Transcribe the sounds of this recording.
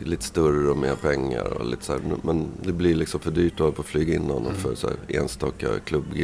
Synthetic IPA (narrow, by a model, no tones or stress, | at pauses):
liːt̪ə̥st̪ɵɾəɔmeːɾpʰɛŋːa̰ɾɔlḭːt̪ə̥sæːɾmɛnd̪ɛblɪɾlɪksɔmfœɖyːʈɔʋɑɾəpʰɔːflyːɡaɪnːahɔnːɔmfœɾsæ̰ːɾḛːnst̪ɑːka̰kʰlɵbːɡ